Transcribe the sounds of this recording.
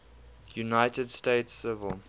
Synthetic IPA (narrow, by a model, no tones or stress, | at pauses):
junaɪtədsteɪtsɪvə̰lˠ